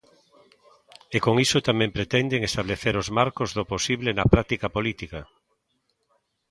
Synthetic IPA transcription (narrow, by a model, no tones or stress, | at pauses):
ekoŋisʊt̪amɛ̃mpɾet̪ɛnd̪eŋest̪aβ̞leθeɾozmaɾkozðoposiβlenɐpɾak̚t̪ikapolit̪ika